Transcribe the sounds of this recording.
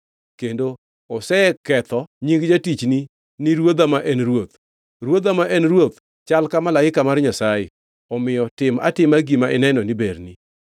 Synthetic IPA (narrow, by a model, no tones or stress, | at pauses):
kendo | ɔsɛkɛt̪ɔɲiɡd͡ʒatit͡ʃni | niɾwod̪amaʔɛnrwot̪̚ | rwod̪amaʔɛnrwot̪ | t͡ʃalkamalaɪkamarɲasajɪ̰ | ɔmɪjɔtɪma̰tɪmaɡimaʔɪnɛnɔniberni